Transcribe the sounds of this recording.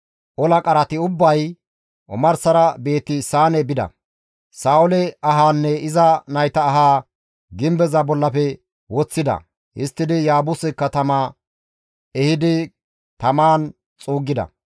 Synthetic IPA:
ʔɔlɐkʼɐɾɐt̪ɪʊbːɐj | ʔɔ̰mɐɾsɐɾɐbe̞ːt̪ːɪsaːnɛbɪd̪ɐ̰ | saːʊlɛɐɦaːnːɛɪzɐnɐjt̪ɐːɦaː | ɡɪmbɛzɐbɔlːɐpɛ | wɔt͡sːɪd̪ɐ̰ | hɪ̰st̪ːɪd̪ɪjaːbʊsɛkːɐt̪ɐma | ɛhɪd̪ɪ | t̪ɐmaːn | t͡sʼuːɡːɪd̪ɐ̰

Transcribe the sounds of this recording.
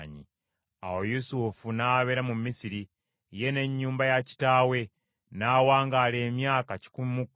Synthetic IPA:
ɲi | a̰wojusufunaβeɾamumisiɾi | je̞ne̞ɲːuːmbajaci̥taːwe̞ | nawaːŋɡaːle̞ːmjaːkaci̥kummuk

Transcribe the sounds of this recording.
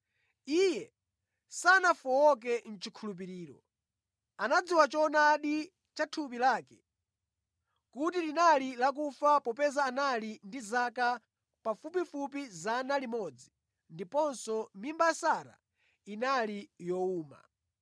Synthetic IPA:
ijɛ | sanafɔɔk̬ɛn̩t͡ʃikʰulup̬iɾiːɾɔ̰ | anad͡ziwat͡ʃɔnaɗi | t͡ʃatʰup̬ilaːkɛ̥ | kutilinalilak̬ufapɔpɛzaːnalindizaka | pafup̬ifup̬izanalimɔd͡zi | ndipɔnsɔmimbaasaɾa̰ | inalijɔuːma̰

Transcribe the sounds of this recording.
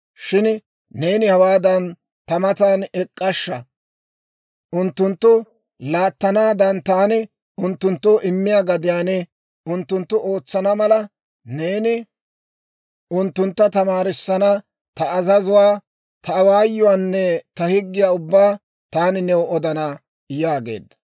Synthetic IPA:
ʃɪn | ne̞ːnɪhɐwaːd̪ɐn | t̪ɐmɐt̪aːnɛkʼːɐʃːɐ | ʔʊnt̪ːʊnt̪ːʊ | laːt̪ːɐnaːd̪ɐnt̪aːnɪ | ʊnt̪ːʊnt̪ːoːʔɪmːɪjaːɡɐd̪ɪjaːnɛ | ʔʊnt̪ːʊnt̪ːʊʔo̞ːt͡sːɐnɐmɐlɐ | neːnɪ | ʔʊnt̪ːʊnt̪ːɐt̪ɐmaːɾɪsːɐnɐ | t̪ɐɐzɐzʊwaː | t̪ʰɐːwaːjːʊwaːnːɛt̪ɐhɪɡːɪjaːʊbːaː | t̪aːnɪnɛwɔd̪ɐna | jaːɡe̞̰ːd̪ːɐ̥

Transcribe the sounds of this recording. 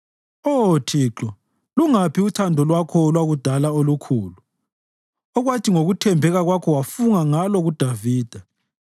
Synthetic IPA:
otʰiːǁɔ | luŋapʰiutʰandʱɔlwakʰɔlwaɣud̥ʱalaolukʰuːlu | ɔɣwatʰiŋoɣutʰɛmbʱɛɣaɣwakʰɔwafuŋaŋalɔɣud̥ʱaviːd̥ʱa

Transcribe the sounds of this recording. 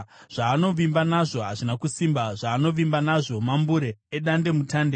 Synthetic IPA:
ʐ̥aːno̞ʋimbanaʐo̞ɦaʐinakusimbaʐaːno̞ʋimbanaʐo̞mambuɾe̞ːɗande̞mutaːnde

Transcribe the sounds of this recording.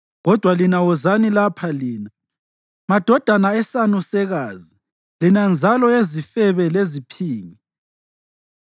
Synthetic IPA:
ɣɔd̥ʱwalinawɔzanilapʰaliːna | mad̥ʱɔd̥ʱanaɛsanusɛɣaːzi | linand͡zʱalɔezifɛβɛlezipʰiːŋi

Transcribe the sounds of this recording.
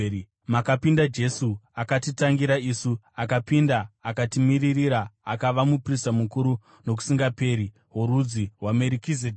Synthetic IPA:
makapindad͡ʒe̞suakatitaŋɡiɾaisu | akapindaːkatimiririɾaːkaʋamupristamukuɾu | no̞k̬u̥siŋɡape̞ːɾi | ɦoɾud͡ziɦwameɾikized

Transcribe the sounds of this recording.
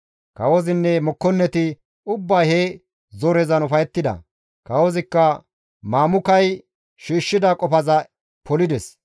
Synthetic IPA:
kɐwɔzɪnːɛmɔkːɔnːɛt̪ɪ | ʊbːɐjhe | zɔɾɛzɐnʊfɐjɛt̪ːɪd̪ɐ̰ | kɐwɔzɪkːɐ | maːmʊkɐj | ʃiːʃːɪd̪ɐkʼɔpɐzɐ | pɔlɪd̪ɛs

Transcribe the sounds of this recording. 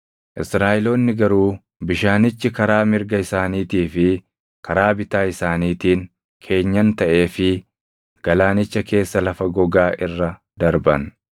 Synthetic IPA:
ʔɪsɾaːʔɪloːnːɪɡɐɾuː | bɪʃaːnɪt͡ʃːɪkɐɾaːmɪɾɡɐɪsaːniːt̪iːfɪ | kʰɐɾaːbɪt̪aːɪsaːniːt̪iːŋ | kʰe̞ːɲːɐnt̪ɐʔeːfɪ | ɡ̥ɐlaːnɪt͡ʃːɐkʰe̞ːsːɐlɐfɐɡɔɡaːʔɪrːɐ | d̪ɐɾbɐn

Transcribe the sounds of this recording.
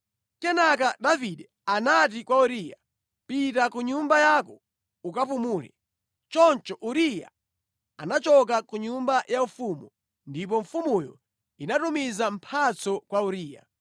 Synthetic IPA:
kɛnak̬adaviɗɛ | anat̬ikwauɾija | pitakuɲumbajakɔ | ukapumuːlɛ̰ | t͡ʃɔnt͡ʃɔʔuɾija̰ | anat͡ʃɔk̬akuɲumbajaufumu | ndip̬ɔɱfumujɔ | inatumizampʰat͡sɔkwauɾiːja̰

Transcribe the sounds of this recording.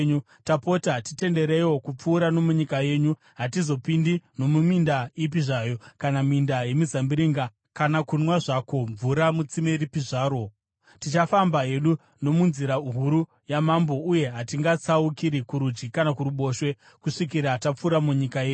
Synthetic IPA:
ɲu | tapo̞tatite̞nde̞ɾejwo̞kup͡fuːɾano̞muɲikaje̞ːɲu | ɦatizo̞pindino̞mumindaip̬iʐajo̞kanamindaje̞mizambiɾiŋɡa | kanakunwaʐako̞ɱvuɾamut͡simeɾipiʐaːɾo̞ | tit͡ʃafambaɦe̞ɗu | no̞munziɾaɦuɾu | jamambo̞ʔuje̞ɦatiŋɡat͡saukiɾikuɾud͡ʒɡikanakuɾuɓo̞ʃwe̞ | kuʂikiɾatap͡fuːɾamuɲikajeːɲ

